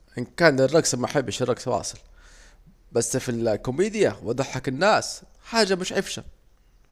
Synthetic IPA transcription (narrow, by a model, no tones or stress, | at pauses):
ʔɪnkaːnɪrˤɑɡsamaʔħɪbːɪʃɪrˤːɑɡswɑ̰ːsˤɨl | basːfikʊmiːd̪ɪjawɪd̪ˤɑħːɑkɪnːaːs | ħaːd͡ʒamʊʃʕɪfʃa̰